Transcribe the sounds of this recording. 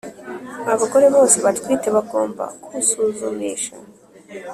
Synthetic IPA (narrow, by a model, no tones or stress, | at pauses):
aβako̞ɾe̞βo̞ːse̞βatkwiːte̞βaɡo̞ːmba̰kuβusuːzumiːʃa̰